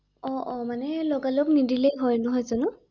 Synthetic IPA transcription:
ɔʔɔmanɛlɔɡalɔknidilejɦɔjnɔɦɔjzɔnʊ

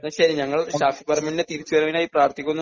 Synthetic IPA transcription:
nɐɕɐɾiɲɐŋːɐɭɕaːfipɐrɐminndet̪iɾit͡ɕːuʋɐɾɐʋinaːjipraːrt̪ʰikʲːunː

